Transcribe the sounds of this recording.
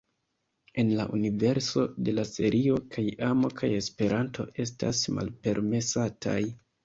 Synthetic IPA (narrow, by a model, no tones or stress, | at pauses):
e̞nlaʔunive̞ɾso̞de̞lase̞ɾʔio̞kʰajamo̞kʰaje̞spe̞ɾʔantʰo̞̰ʔe̞sta̰sma̰lpe̞ɾme̞satʰa̰j